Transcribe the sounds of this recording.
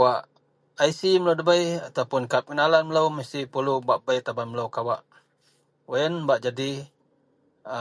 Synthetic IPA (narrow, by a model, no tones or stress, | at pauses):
awaʔ | ajsiməlowdəbəjat̪awpʊnkap̚kənalanmələwməst̪ihpulubaʔbəjt̪abanmələwkawaʔ | waənbaʔd͡ʒadi